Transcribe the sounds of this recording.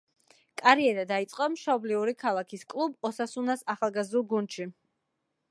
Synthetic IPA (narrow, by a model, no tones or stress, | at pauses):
kʼaɾiɛɾad̪ait̪sʼqʼamʃɔbliuɾikʰalˠakʰiskʼlˠubɔsasunasaχalˠɡazd̪ulˠɡund̪ʃi